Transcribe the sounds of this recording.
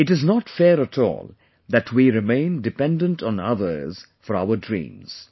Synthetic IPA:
ɪʈɨznɔtfɛɾətʰɔ̰ːlˠ | ðætʰwiɾɪmẽɪ̃ndɨpɛ̃ndə̃ntʰn̩ʌ̰ðə̰˞z̥ | fɔɾaʊədɹḭ̃ːmz̥

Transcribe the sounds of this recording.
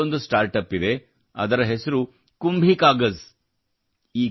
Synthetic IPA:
ond̪usʈaːɾʈɐpid̪e̞ | ɐ̰d̪ɐɾɐɦesɐɾu | kumbʱikaːɡɐz | iː

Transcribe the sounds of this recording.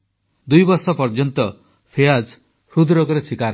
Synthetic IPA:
d̪ujbɔɾsɔpɔɾd͡ʒɔnt̪ɔ | pʰead͡ʒ | hɾud̪ɾɔkɔɾesikaɾ

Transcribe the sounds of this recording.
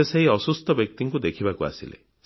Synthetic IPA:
eseɦiɔsust̪ɔbjɔk̚t̪iŋkud̪ekʰibakua̰sḭlḛ

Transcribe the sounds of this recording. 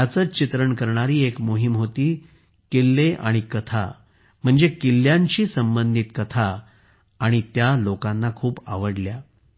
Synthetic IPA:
at͡sət͡ɕit̪ɾəɳkəɾɳaɾiːekmoɦimɦot̪iː | kelːeʔaɽ̃ikət̪ʰa̰ | m̤əɳd͡zekilːjaɲt͡ɕiːsəmbənd̪ʱit̪kət̪ʰaː | ɽ̃it̪jalokãnːakʰuːpa̰ʋəɽlja

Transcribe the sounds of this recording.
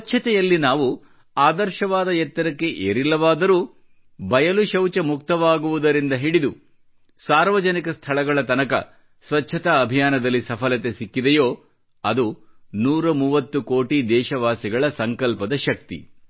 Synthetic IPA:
ɐt͡ʃːt͡ʃʰːɐt̪ɛjɐlːinaːʋu | aːd̪ɐɾʃɐʋaːd̪ɐjɛt̪ːɐɾɐkːe̞ʔḛːɾilːɐʋaːd̪ɐɾuː | bɐjɐluʃɐwt͡ʃɐmuk̚t̪ɐʋaːɡuʋud̪ɐɾind̪ɐɦiɽid̪u | saːɾʋɐd͡ʒɐnikɐst̪ʰɐɭɐɡɐɭɐt̪ɐnɐkɐ̰ | sʋɐtːʃʰɐt̪ɐːbʱijaːnɐd̪ɐlːisɐpʰɐlɐt̪e̞sikːid̪ejoː | ɐd̪unuːɾɐmuːʋɐt̪ːukoːʈid̪ɛːʃɐʋaːsiɡɐɭɐsɐŋkɐlpɐd̪ɐʃɐk̚t̪ḭ

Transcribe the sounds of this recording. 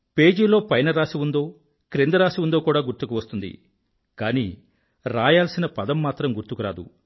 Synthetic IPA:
pe̞ːd͡ʒiːlo̞ːpɐjnɐɾaːsiʋund̪o̞ː | kɾend̪ɐɾaːsiʋund̪oːkuːɽaːɡuɾt̪ukuʋɐst̪und̪ḭ | kaːnḭː | ɾaːjaːlsinɐpɐd̪ɐmːaːt̪ɾɐmɡuɾt̪ukuɾa̰ːd̪ṵ

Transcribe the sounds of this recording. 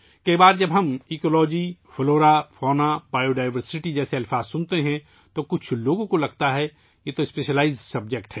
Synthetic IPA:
kɐibaːɾd͡ʒɐbɦɐmɪkoːlɔːd͡ʒifʰloːɾapʰɔːnabaːjoɖaːɪʋəɾsɪʈid͡ʒɛːseɐlfʰaːzsʊnt̪eɦɛ̃ | t̪okʊt͡ʃʰloːɡõkolɐɡt̪aɦɛ | jet̪oɪspeːʃəlaːɪzsɐb̚d͡ʒekʈɦɛː

